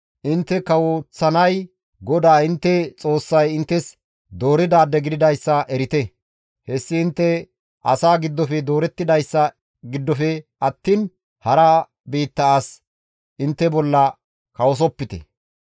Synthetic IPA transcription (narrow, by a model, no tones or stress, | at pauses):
ʔɪnt̪ːɛkɐwot͡sːɐnɐj | ɡɔd̪aːɪnt̪ːɛt͡sʼo̞ːsːɐjɪnt̪ːɛs | d̪o̞ːɾɪd̪aːd̪ɛɡɪd̪ɪd̪ɐjsːɐʔɛɾɪt̪ɛ | hɛsːɪɪnt̪ːɛ | ʔɐ̰saːɡɪd̪ːɔfɛd̪o̞ːɾɛt̪ːɪd̪ɐjsːɐ | ɡɪd̪ːɔfɛɐt̪ːiːn | hɐɾɐ | biːt̪ːɐs | ʔɪnt̪ːɛbɔlːɐ | kɐwɔs̬ɔpːɪt̪ɛ̰